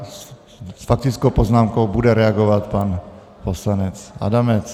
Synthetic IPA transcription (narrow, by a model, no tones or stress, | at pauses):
sfak̚t̪ɪt͡skowpoznaːmkowbudɛɾɛaɡovat̪pan | poslanɛt͡sʔa̰damɛt͡s